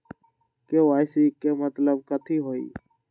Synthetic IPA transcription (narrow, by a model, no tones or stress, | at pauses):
keːʋaːɪsiːkeːmət̪ləb̚kət̪ʰiːɦoːḭː